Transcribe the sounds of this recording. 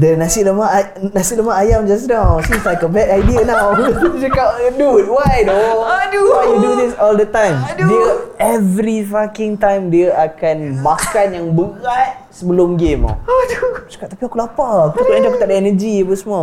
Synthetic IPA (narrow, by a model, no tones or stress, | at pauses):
dənasiləma | nãsiləmaajamd͡ʒas̬nawsislajkəbɛdajdiənawt͡ʃakap̚dut̚wado | waudud̪isɔldət̪ãjmdiəɛvɾifakɪŋt̪ãjmdiaʔakanmãkanjaŋbəɣat̚səbəlʊmɡema̰ | t͡ʃḁkap̚t̪apiakulapakut̪auʔãd͡ʒaaku̥t̪aʔdaɛnəd͡ʒiapəsəmua